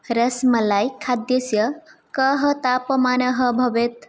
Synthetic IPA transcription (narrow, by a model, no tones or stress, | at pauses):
ɾəsməlajkʰad̪jəsjə | kəɦət̪apəmanəɦəbʱɐbet̪